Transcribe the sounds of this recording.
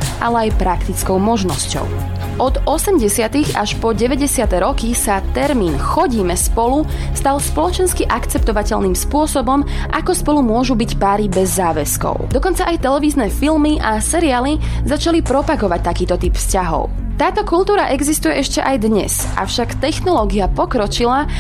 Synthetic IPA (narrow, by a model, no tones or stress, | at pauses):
ʔalɛajpɾakt̪it͡skɔʊmɔʒnɔscɔ̰ʊ | ʔɔd̪ɔsɛmɟɛsɪat̪iɣaʃpɔɟɛʋɛɟɛsɪat̪ɛɾɔkisat̪ɛɾmiːnxɔɟiːmɛspɔlu | st̪alspɔlɔt͡ʃɛnskiʔakt͡sɛp̚t̪ɔʋacɛʎniːmspʊɔsɔbɔm | ʔakɔspɔlumʊɔʒubicpaːɾibɛzːaːʋɛskɔ̰ʊd̪ɔkɔnt͡saʔajt̪ɛlɛʋiːznɛːfilmiʔasɛɾiaːlizat͡ʃalipɾɔpaɡɔʋac̚t̪akiːt̪ɔt̪ipfscaɦɔ̰ʊ | t̪aːt̪ɔkult̪uːɾaʔɛɡzist̪ujɛʔɛʃcɛʔajd̪ɲɛ̰s | ʔa̰fʃakt̪ɛxnɔlɔːɡiapɔkɾɔt͡ʃila